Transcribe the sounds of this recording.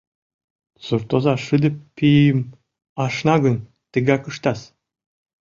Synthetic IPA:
sort̪ozɑʃɨd̪ə̆ppːijəm | ɑʃnɑɣən | t̪ə̆ɣɑkəʃt̪ɑs

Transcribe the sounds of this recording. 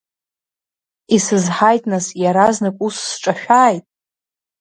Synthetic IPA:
isɨzħajtʼnasjaɾaznɨkʼusːʈ͡ʂʼaʃᶣaːjtʼ

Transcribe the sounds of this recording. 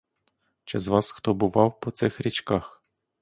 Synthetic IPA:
t͡ʃɛzʋɑsxt̪ɔbʊʋɑwpɔt̪sɪxɾʲit͡ʃkɑx

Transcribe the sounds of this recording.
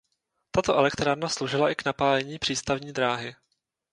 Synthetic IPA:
t̪at̪oʔɛlɛkt̪ɾaːɾnaslowʒɪlaʔɪknapaːlɛɲiːpr̥iːst̪avɲiːd̪ɾaːɦɪ

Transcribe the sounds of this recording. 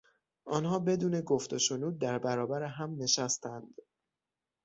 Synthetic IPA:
ʔɒːnhɒːbe̞d̪uːne̞ɡoft̪o̞ʃonuːd̪̚ːæɾbæɾɒːbæɾeɦæmne̞ʃæst̪ʰænd̪̥

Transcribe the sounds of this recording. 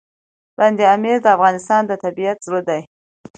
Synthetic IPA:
band̪eameɾd̪əafɣɑnɪst̪ɑnd̪ət̪abiat̪zɾod̪aj

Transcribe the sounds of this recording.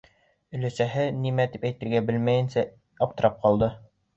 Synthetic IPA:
ɵ̆læsæɦɘnimæt̪ipæjt̪ɘ̆ɾɡæbɘlmæjɘ̆nsæ | ɑp̚t̪ɤ̆ɾɑp̚qɑlˠd̪ɤ

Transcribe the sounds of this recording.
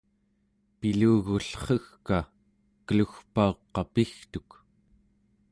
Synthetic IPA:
piluːɣuɬχəxka | kəluxpaoqːɑpixt̪uk

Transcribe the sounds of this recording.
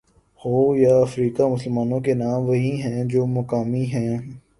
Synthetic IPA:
hoːjaɐfɾiːkamʊsəlmaːnõkenaːmʋɐɦiɦɛ̃d͡ʒoːmɐkaːmiɦɛ̃ː

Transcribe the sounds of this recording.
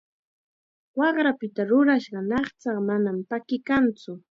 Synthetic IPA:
wɑχɾapɪt̪aɾʊɾaʃɢɑnɑχt͡sɑχmanampakɪkant͡sʊ

